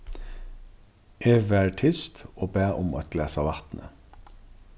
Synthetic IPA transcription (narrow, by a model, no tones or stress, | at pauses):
ʔeːʋæːʈʰʏst̪oːbæːʔʊmɑt̪ɡlæːsɑʋɑt̪nʔə̰